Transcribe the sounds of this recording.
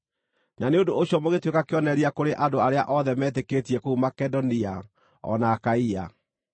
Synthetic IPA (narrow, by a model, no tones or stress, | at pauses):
naneondoːɕjɔmoɣetwekakeɔnɛɾiakoɾeʔadoaɾea̰ʔɔðɛmɛːt̬eketiɛkoumakɛdɔnia | ɔ̰naːkaia